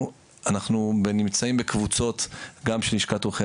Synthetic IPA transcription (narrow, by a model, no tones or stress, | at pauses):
anaχnubenimt͡saimbekvut͡so̞tɡamʃeliʃkatuχe